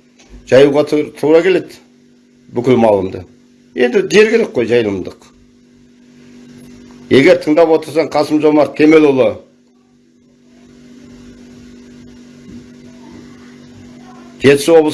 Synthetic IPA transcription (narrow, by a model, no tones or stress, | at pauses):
ʒ̥ɑjuʁɑt̪ʰuɾɑkʲʰe̞le̞d̪ɪ | bʏkʲɪlmɑlˠəmd̪ə̰ | e̞nd̪ɪd̪e̞ɾɡʲeɾe̞k̚qqo̞jʒɑjəlˠəmd̪əq | e̞ɡʲe̞ɾt̪ʰəɴd̪ɑpwo̞t̪əɾsɑɴqʰɑsəmʒo̞mɑɾt̪ʰe̞me̞lʊlˠə | ʒe̞t̪ɪ̥swo̞blˠə